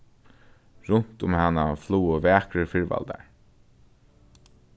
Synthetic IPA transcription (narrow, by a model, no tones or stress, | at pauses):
ɹʊn̥t̪ʊmhanːafluːəvæːkɾəɹfɪɹva̰ld̪a̰ɹ